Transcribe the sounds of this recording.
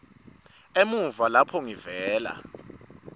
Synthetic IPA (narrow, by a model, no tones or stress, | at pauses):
emuɱvalapʰɔŋivɛːla̰